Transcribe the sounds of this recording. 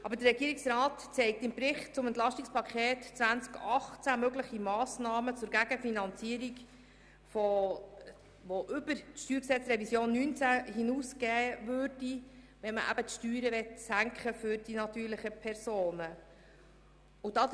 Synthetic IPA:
ʔɑbəɾdəɾrɛɡ̥iːɾiksɾɑːtt͡sɛɪk̚tɪmbɾɪχtt͡sʊmɛnt̪lɑʃtikspʰɑkʰχeːtt͡svænt͡skɑχt͡sæmøɡlɪχimɑːsnɑːmət͡sʊɾɡæɡ̥əfinɑnt͡siəɾik | fo | voʔʏbəɾtʃtyːɾksɛt͡sɾɛvisjoːnːynt͡sæhinuːsɡ̥ɛːvøːɾd̥i | ʋɛnməʔæ̰bətʃtyːɾəʋɛtsæŋkχəfʏɾd̥inɑt̪yːɾləχəpʰɛɾsoːnə | ʊdɑ

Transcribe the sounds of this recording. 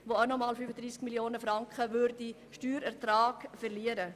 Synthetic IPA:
ʋoanɔmɑːlfyfədɾiːskmiljoːnəfɾɑŋkχəʋʏɾdi | ʃtyːɾɛɾt̪ɾaːɡ̥fɛrliəɾə

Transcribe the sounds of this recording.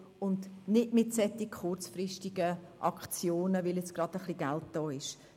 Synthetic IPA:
ʊndnɪtmɪtsɛt̪ːɪkχʊrt͡sfrɪʃtɪɡəʔɑ̰kχt͡sjoːnəʋɪljɛt͡sɡ̥ɾɑd̥̪əχliɡalt̚d̥ɔːɪʃ

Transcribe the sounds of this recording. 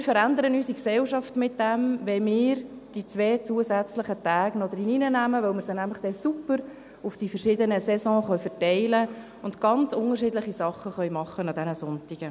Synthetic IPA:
mɪːɾfəɾænd̪əɾənysiksɛlʃɑftmɪt̚d̥ɛmʋɛmɪːɾ | d̥it͡sʋɛːt͡suəzæt͡sləχətæːɡ̥nɔd̪əɾininənæməʋœlmɪːɾsənæmləχd̥ɛsupəɾ | ʊfd̥ifəɾʃɪdənəsɛsɔ̃ːχœɥfəɾtɛɪlə | ʊntɡ̥ɑnt͡sʊnərʃɪːdləχisɑχːəχœɥmɑχːənɑd̪ɛnəsʊntiɡ̥ə

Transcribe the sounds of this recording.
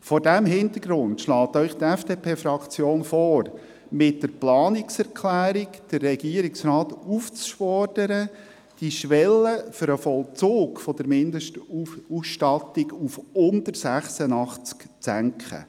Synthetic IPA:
fɔɾdæmɦɪnt̪əɡɾʊntʃlɑːt̪œʏχt̪ɛfd̥eːpʰeːfɾɑkt͡sjoːnfɔːɾ | mɪtdəɾplɑːnɪksɛɾkʰlæːɾɪkd̥ərːɛɡiəɾɪksɾɑːtuft͡sʃfɔɾd̥əɾə | d̥iʃʋɛlːəfʏɾəfɔlˠt͡suːkfɔd̥̪əɾmɪndəʃtuusʃtɑtɪɡufʊndəɾsæχsənɑχt͡skt͡sæŋkχə̰

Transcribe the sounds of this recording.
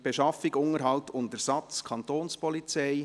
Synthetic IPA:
b̥eʃɑfɪɡʊŋəɾɦɑltʰʊntəɾsɑt͡skʰɑntoːnspɔlit͡sɛɪ

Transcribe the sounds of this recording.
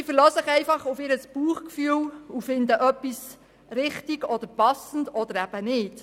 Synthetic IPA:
ɪfəɾløːsəχɛɪfɑχʊfɪɾəsb̥uːəχkfyːwufɪnd̪əʔœpːis | ɾɪχtiɡɔd̪əɾpɑsn̩dɔd̪əɾæb̥ənɪːt

